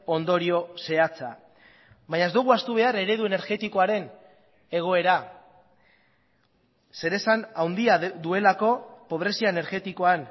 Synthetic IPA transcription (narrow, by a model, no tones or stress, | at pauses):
o̞nd̪o̞ɾio̞se̞at͡sa̰ | βaɲaed̪uɣ̞uast̪uβ̞e̞aɾe̞ɾe̞ðue̞ne̞ɾɣe̞t̪iko̞aɾe̞n | e̞ɣ̞o̞e̞ɾa | se̞ɾe̞sanawnd̪iaðue̞lako̞po̞β̞ɾe̞siaene̞ɾɣe̞t̪iko̞an